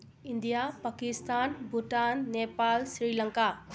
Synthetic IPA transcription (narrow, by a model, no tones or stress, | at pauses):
ind̪ijapakist̪aːnbʱuʈaːnːeːpaːlsɾiːləŋka